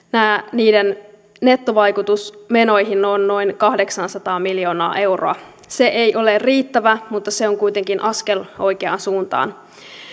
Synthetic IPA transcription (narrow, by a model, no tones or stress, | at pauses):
næːniːden | ne̞t̪ːoʋɑjkut̪usmeno̞jɦinːonːo̞inkɑhde̞ksɑnsɑt̪ɑːmiljo̞ːnɑ̰ːʔe̞wro̰ɑ | se̞ʔejʔo̞leriːt̪ːæʋæmut̪ːɑseoŋkujt̪e̞ŋkinʔɑskelo̞jkeɑ̰nsuːnt̪ɑ̰ːn